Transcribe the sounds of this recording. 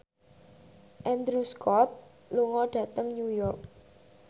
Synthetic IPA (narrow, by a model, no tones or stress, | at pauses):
ʔɛnd̪ɾuskʰɔt̪̚ | luŋɔɖ̥ä̤t̪əŋnujɔrk̚